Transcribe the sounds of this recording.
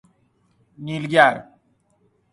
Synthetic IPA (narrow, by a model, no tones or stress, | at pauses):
nilɡjaɾ